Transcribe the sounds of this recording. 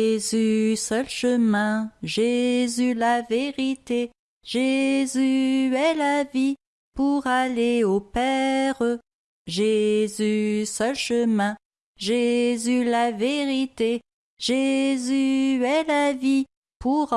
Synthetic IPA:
zysœlʃəmɛ̃ʒezylaveʁit̪e | ʒezyɛlavi | puʁaleopɛʁ | ʒezysœlʃəmɛ̃ | ʒezylaveʁit̪e | ʒezyɛlavi | pʰuʁ

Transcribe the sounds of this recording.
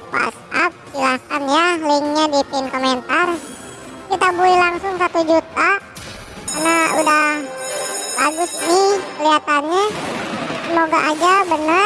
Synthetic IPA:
wa̰t̪sap̚t͡ʃilakanjaliŋɲadipenkoment̪ar | kit̪abuilaŋsʊŋsat̪ud͡ʒut̪a | karnaṵdah | baɡʊsnɪhkəliat̪anɲa | səmoɡaʔad͡ʒabənə

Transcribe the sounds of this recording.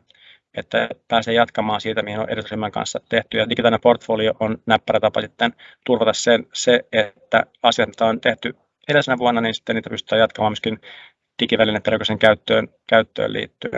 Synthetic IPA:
et̪ːæpæːseːjɑt̪kɑmɑːnsiːt̪æmihino̰ʔeɾesɑsimːæŋkɑ̰nsːɑt̪eht̪yjɑdiɡit̪ɑlineport̪folioʔonnæpːæɾæt̪ɑpɑsit̪ːent̪urʋɑt̪ɑssenseet̪ːæɑsjɑt̪t̪ɑont̪eht̪y | eɾesenæʋuɑnːɑninsi̥t̪ːeniːt̪æpyst̪æːjɑt̪kɑmɑːmyø̥skin | t̪ikiʋælinempelkøseŋkæyt̪ːøːnkæyt̪ːø̰ːlḭːt̪ːyæ̰n

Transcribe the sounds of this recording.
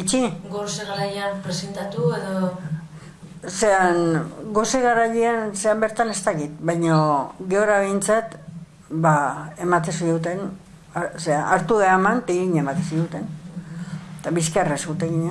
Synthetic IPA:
it͡ʃiɡoseɣaɾajeanpɾesent̪at̪ueðo | se̞aŋɡo̞seɣaɾaʎeanseambe̞ɾt̪ane̞st̪akit̪βajɲoɡe̞oɾaβ̞e̞jnt͡sat̪ | bae̞mat̪esiɣut̪e̞n | aoseaʔaɾt̪uɣeamant̪aiɾiɲaemat̪ensiɣut̪e̞n | t̪aβiskaresɣut̪eɣiɲa

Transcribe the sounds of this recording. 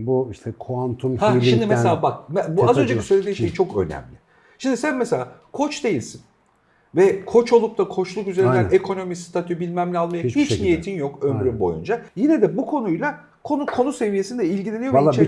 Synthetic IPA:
buiʃt̪ʰɛkʰoant̪ʰumhaʃimmd̪imeseaːbakbuazø̞nd͡ʒeci̥sø̞jlʲed̪iʃejit͡ʃʰo̞kø̞̰næ̰mlʲɪ | ʃimd̪isænmɛselʲaːkʰo̞t͡ʃd̪e̞jilʲsin | vɛkʰo̞t͡ʃo̞lˠup̚t̪akʰo̞t͡ʃlˠukyze̞ɾind̪ænekʰo̞no̞mist̪ʰat̪ʰybilʲmæmlʲɛalˠmajahit͡ʃnijet̪ʰinjo̞kømyɾymbo̞̰jṵnd͡ʒajinɛd̪ɛbukʰo̞nujlˠa | kʰonukʰo̞nuse̞vije̞sind̪ɛilʲɟilʲenijo

